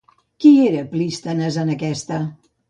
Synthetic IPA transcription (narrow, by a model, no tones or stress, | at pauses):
kieɾəplist̪ənəzənəkɛst̪ə